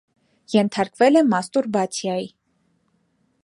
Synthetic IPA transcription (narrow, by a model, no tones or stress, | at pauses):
jɛnt̪ʰɑɾkvɛlɛmɑst̪uɾbɑt͡sʰjɑji